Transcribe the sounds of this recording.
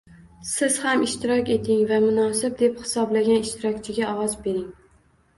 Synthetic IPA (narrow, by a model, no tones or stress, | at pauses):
sɪz̥hamɪʃt̪ɪɾɒkʲe̞t̪ʰɪŋvamʊnɒsɪb̚d̪ephɪ̥sɒblaɡʲanɪʃt̪ɪɾɒk̚ʲt͡ʃʰɪɡʲaɒwɒzbe̞ɾɪŋ